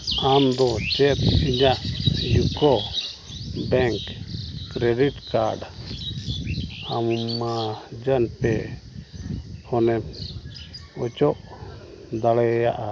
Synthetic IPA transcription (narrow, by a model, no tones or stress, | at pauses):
amd̪ɔt͡ʃɛt̪iɲajukɔ | bɛŋkː | ɾeɖiʈkaɾɖ | ammad͡ʒanpɛ | hɔnɛm | ɔt͡ʃɔʔ | d̪alɛjaʔa